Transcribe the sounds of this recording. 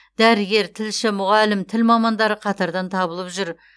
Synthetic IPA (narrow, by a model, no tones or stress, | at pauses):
d̪æɾɪɡʲe̞ɾt̪ʰɪlʃɪmʊʁɑlɪmt̪ʰɪlmɑmɑnd̪ɑɾəqʰɑt̪ɑɾd̪ɑnt̪ʰɑbəlˠəpʒʏɾ